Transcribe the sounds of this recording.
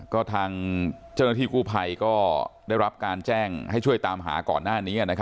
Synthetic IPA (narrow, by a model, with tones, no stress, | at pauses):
kɔː˥˩t̪ʰaː˧ŋt͡ɕa˥˩na˥˩iː˥˩kuː˥˩pʰa˧jkɔː˥˩da˥˩jɾa˦˥p̚kaː˧nt͡ɕɛː˥˩ŋha˥˩jt͡ɕʰu˥˩əjt̪aː˧mɦa̰ː˩˦kɔ̰ː˨˩nːaː˥˩niː˦˥a˨˩na˦˥kʰ